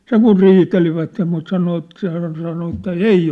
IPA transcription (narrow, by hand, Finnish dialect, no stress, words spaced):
seŋ̆ kur riːteliʋætːe mut sɑno et se hæːn sɑno etːæ ei